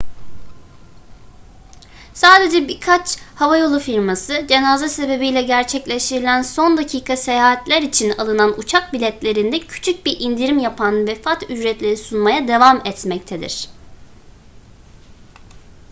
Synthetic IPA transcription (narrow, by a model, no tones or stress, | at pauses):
saːd̪e̞d͡ʒɛbiɾkʰat͡ʃhavajo̞lˠufiɾmasɯd͡ʒe̞nazase̞be̞bijlʲɛɟæɾt͡ʃʰɛclʲeʃt̪ʰiɾilʲænso̞nd̪acʰiːkʰase̞jaːɦat̪lʲæɾit͡ʃʰinalˠɯnanut͡ʃʰak̚bilʲɛt̪lʲe̞ɾind̪ɛcʰy̥t͡ʃʰyc̚biɾʔind̪iɾimjapʰanvɛfat̪yd͡ʒɾɛt̪lʲe̞ɾisunmajad̪e̞vamɛt̪mɛc̚t̪ʰed̪ḭɾ̝̥